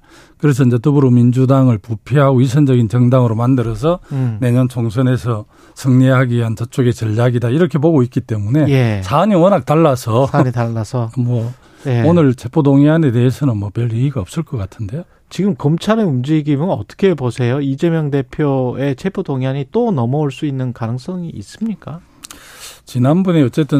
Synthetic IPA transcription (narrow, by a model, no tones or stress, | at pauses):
kɯɾe̞s̬ʰʌind͡ʑe̞tɯbuɾomind͡ʑudaŋɯɭpupʰjiɦaɡois̬ʰʌnd͡ʑʌɡint͡ɕʌŋdaŋɯɾomandɯɾʌsʰʌne̞ɲʌnt͡ɕʰoŋs̬ʰɯne̞sʰʌ | sʰɯŋɲiɦaɡiɦant͡ɕʌt͡ɕ͈oɡe̞t͡ɕʌʎːaɡidaiɾʌkʰe̞poɡoit̚k͈it͈e̞mune̞jesʰaɲiwʌnak̚t͈aɭːasʰʌaɲitaɭːasʰʌmwʌ | jeonɯɭt͡ɕʰepʰodoŋiane̞de̞esʰʌnɯnmʌpeɭiiɡaʌp̚s͈ɯɭk͈ʌk͈atʰɯnde̞jo | t͡ɕiɡɯmkʌmt͡ɕʰaɾɯumd͡ʑiɡimɯnʌt͈ʌ̥kʰe̞bosʰe̞joid͡ʑe̞mjʌŋde̞pʰjoe̞t͡ɕʰepʰodoŋaɲit͈onʌmʌuɭs͈uinːɯnkanɯŋs͈ʌŋiːs͈ɯmɲik͈a | t͡ɕinanbuneʌt͡ɕ͈e̞t͈ɯ